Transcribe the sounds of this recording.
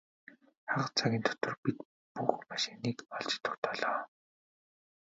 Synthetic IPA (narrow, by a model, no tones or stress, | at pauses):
χaʁə̆t͡sʰaɣʲiːnt̪ʰɔ̥t̪ə̆rpit̪ | puxmaʃɪ̥niːkɔɮt͡ɕɪ̥̆t̪ʊ̥̆kt̪ʰɔɮɔː